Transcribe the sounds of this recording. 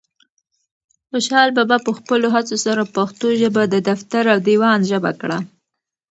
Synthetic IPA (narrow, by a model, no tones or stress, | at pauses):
xoʃhɑlbabapəxpəloɦat͡sosaɾapaxt̪oʒəbad̪əd̪aft̪aɾawd̪iwɑnʒəba̰kɽa